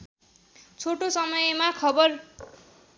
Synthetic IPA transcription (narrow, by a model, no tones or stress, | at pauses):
t͡sʰoʈosʌmʌjmakʰʌbʌr